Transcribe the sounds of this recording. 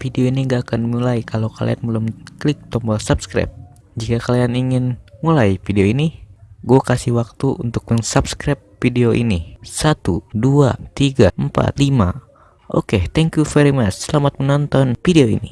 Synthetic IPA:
fideoiniŋɡaːkanmulaikalokalḭa̰nbəlumklik̚t̪ɔmbɔsapskɾa̰p̚ | d͡ʒikakalianiŋɪnmulaifideoiniɡuakasihwak̚t̪uunt̪ʊk̚məŋsapskɾɛp̚fideoʔḭnisat̪udua̰t̪iɡampa̰t̪lima̰ | ʔo̰ket̪ɛŋkjufɛɾimat͡ʃsəlamat̪̚mənɔnt̪ɔnfideoḭnḭ

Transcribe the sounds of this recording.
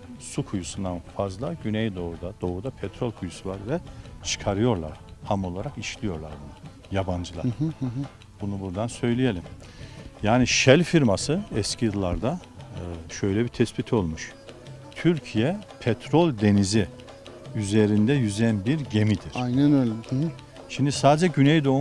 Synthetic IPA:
sukʰujusund̪anfazlˠaɟynɛjd̪o̞ud̪ad̪̥o̞ud̪apʰɛt̪ɾolʲkʰujusuvaɾvɛt͡ʃʰɯ̥kʰaɾɯjo̞ɾlˠa̰ɾ̥hamo̞lˠaɾakiʃlʲijo̞ɾlˠaɾbunu | jaband͡ʒɯlˠa̰ɾ | bunubuɾd̪ansø̞jlʲije̞lʲim | jaːniʃɛlʲfiɾmasɯɛscʰijɯlˠːaɾd̪a | ʃø̞jlʲɛbit̪ʰɛspit̪ʰo̞lˠmuʃ | t̪ʰyɾcʰijɛpʰɛt̪ʰɾo̞lʲd̪e̞nizi | yze̞ɾind̪ɛjyzɛnbiɾɟe̞mid̪iɾ̥ajnænølɛ | ʃimd̪isaːd̪d͡ʒɛɟynɛjd̪o̞u

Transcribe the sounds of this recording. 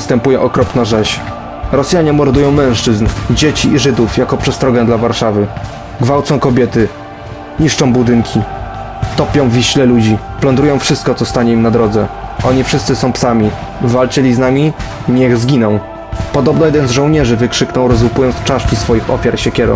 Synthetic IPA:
st̪ɛmpujɛʔɔkɾɔpnaʐɛɕ | ɾɔsʲjaɲɛmɔɾd̪ujɔ̃w̃mɛ̃w̃ʂt͡ʂɘznd͡ʑet͡ɕiʔːʐɘd̪ufjakɔpʂɛst̪ɾɔɡɛd̪lavaɾʂavɘ | ɡvawt̪sɔ̃w̃kɔbʲjɛt̪ɘ | ɲiʂt͡ʂɔ̃w̃bud̪ɘŋkʲʰi | t̪ɔpʲjɔ̃w̃vʲiɕlɛlud͡ʑi | plɔnd̪ɾujɔ̃w̃fʂɘst̪̚kɔt̪ɔst̪aɲɛimnad̪ɾɔd̪zɛʔɔɲifʂɘst̪sɘsɔ̃w̃psamʲi | vːalt͡ɕɛlʲiznamʲi | ɲɛɣzɡʲinɔ̃w̃ | pɔd̪ɔbnɔjɛd̪ɛnzʐɔ̃wɲɛʐɘvɘkʂɘknɔ̃w̃ɾɔzwupujɔnt̪st͡ʂaʂkʲisfɔjixɔfʲjaɾɕɛkʲɛɾɔ̰̃w̃

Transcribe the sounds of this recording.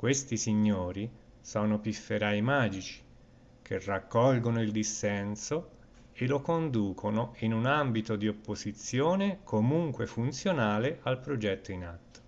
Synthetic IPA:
kwest̪isiɲːoːɾi | sɔːnopifːeɾajmaːd͡ʒit͡ʃi̥ | kʰerːakːɔlɡonoild̪isːɛnso | elokond̪uːkʰonoinunambit̪od̪iopːozit̪sːjoːnekʰomuŋkwefunt̪sjonaːleʔalpɾod͡ʒɛt̪ːoinat̪ːo̥

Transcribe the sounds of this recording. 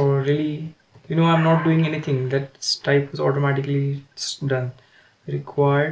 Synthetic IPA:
ɔɾiəli | junoːãɪ̃mnɔːʈ̚ɖuːɪ̃ŋenit̪ʰɪ̃ŋd̪æʈ̚sʈaɪpɔzɔːʈomæʈɪkəlisɖʌ̃n | ɾɪkʰwaɪə

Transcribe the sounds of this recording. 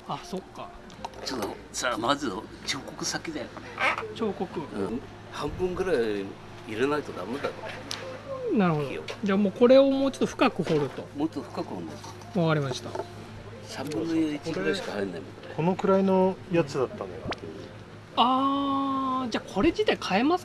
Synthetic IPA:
aso̞kːa̰ | t͡ɕot̪ːo | samazɨ | t͡ɕo̞ːkokɯ̟sakʲid̪ajonet͡ɕo̞ːko̞kɯ̟ɯ̃ | hãmbɯ̟̃ŋɡɯ̟ɾai | iɾenait̪od̪amed̪akaɾ | naɾɯ̟hod̪oo̰d͡ʑaːmoːko̞ɾe̞omoːt͡ɕot̪ːoɸɯ̟̥kakɯ̟ho̞ɾɯ̟t̪o̞mot̪ːɸɯ̥kakɯ̟homokḁ | βakaɾʲimaɕi̥t̪a̰ | sãmbɯ̃nːojoikɡaɕi̥kahaenːaimot̪kʰo̞no̞kɯ̟ɾaino̞jat͡sɨd̪at̪ːanojo | aː | d͡ʑaːkʰo̞ɾe̞d͡ʑit̪aikʰae̞mas

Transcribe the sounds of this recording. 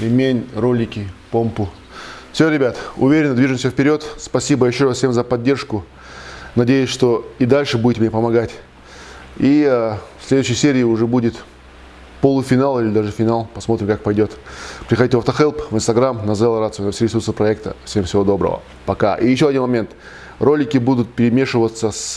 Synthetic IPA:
lʲɪmʲenʲrolʲɪkʲɪpompʊ | fsʲoɾʲɪbʲat̪ʊ̰vʲeɾʲɪnːəd̪viʐɨmsʲəfʲpʲɪɾʲo̞t̪spɐsʲibəjɪɕːoɾasfsʲemzəpɐdʲːe̞rʂkʊ | nɐdʲejʊsʲʂt̪o̞id̪alʲʂɨbudʲɪtʲɪmnʲepəmɐɡatʲ | iəfsʲlʲed̪ʊɕːəjsʲeɾʲɪːʊʐɛbudʲɪt̪ | polˠʊfʲɪnalˠilʲɪd̪aʐɨfʲɪnalˠpɐsmo̞t̪ɾʲɪmkak̚pɐjdʲo̞t̪pɾʲɪxɐdʲitʲɪvɐft̪əxɛlˠpvɨnst̪ɐɡɾamnɐzɛlˠɾat̪sɨʊnɐfsʲiɾʲɪsursəpɾɐɛk̚t̪ə̰fsʲemsʲɪvo̞d̪o̞bɾə̰və̰ | pɐka̰ʔijɪɕːoɐdʲinmɐmʲe̞nt̪ | ro̞lʲɪkʲɪbud̪ʊt̪̚pʲɪɾʲɪmʲe̞ʂɨvət̪səs

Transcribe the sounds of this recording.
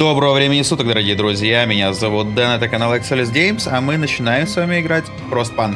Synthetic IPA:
d̪o̞bɾəvəvɾʲemʲɪnʲɪsut̪ək̚d̪əɾɐɡʲijəd̪ɾʊzʲjamʲɪnʲazɐvut̪̚d̪ɛnɛt̪əkɐnalˠɛksɛlʲɪsdʲejmsɐmɨnət͡ɕɪnajɪmsvamʲɪɪɡɾatʲ | pɾost̪̚pan

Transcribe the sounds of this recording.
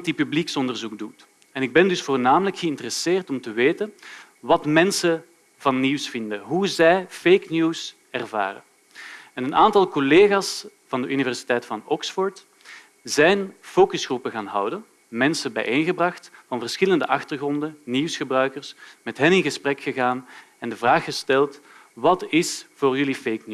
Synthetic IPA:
tdipybliksɔndərzuɡ̚dut | ɛnɪɡ̚bɛndɵsfoːrnaːmələkxəɪntərəseːrtɔmtəʋeːtən | ʋɑtmɛnsə | vɑnːiwsfɪndəɦuzɛjfejknjuːs | ɛrva̰ːrə̰ | ɛnənaːntɑlˠkɔleːɣaːs | v̥ɑndəʔynivɛrsi̥tɛjtfɑnɔksfɔrt | zɛjnfoːkɵsxrupəɣaːnɦʌ̰wdən | mɛnsəbɛ̰jʔenɣəbrɑxtvɑnvərsxɪləndəʔɑxtərɣrɔndənniwsxəbrœɥkərsmɛtɦɛnɪnɣəsprɛkxəɣaːn | ɛndəvraːxːəstɛlˠtʋɑtɪsv̥oːrjɵlifejknu

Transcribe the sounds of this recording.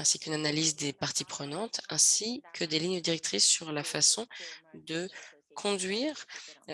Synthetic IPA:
ɛ̃sikynanalizd̪epaʁt̪ipχənɑ̃t̪ɛ̃sikʰəd̪eliɲjəd̪iʁɛk̚t̪χisːyʁlafasɔ̃d̪ə | kʰɔ̃d̪ɥiːʁ

